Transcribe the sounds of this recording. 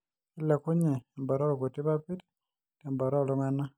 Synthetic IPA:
i˦le˨ku˦ɲe˨mba˨ɾo˦lo˨ku˨ti˦βa˦pi˦ɾi̥ | temba˨ɾo˦˨lo˦mwe˦na˦

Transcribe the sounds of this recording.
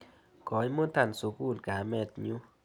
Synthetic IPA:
kɔ˨˦jmo˦nt̪a˨nsu˨ku˦˨lka˨mɛ˦˨t̪ɲu˦

